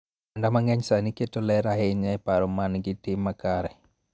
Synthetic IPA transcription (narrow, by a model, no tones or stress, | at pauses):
andamaŋɛɲsaniketolɛɾaɦɛiɲaɛpaɾɔmanɡitɪmːakaɾɛ